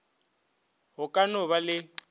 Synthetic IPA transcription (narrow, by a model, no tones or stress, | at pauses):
ɦʊkʼanʊβalɪ